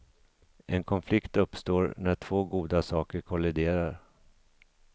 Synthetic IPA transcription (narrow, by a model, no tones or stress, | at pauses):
ʔɛnkʰɔnflɪkt̪ɵpːst̪oːɾnæʈʰv̥oːɡuːd̪asɑːkəɾkʰɔlɪd̪eːɾaɾ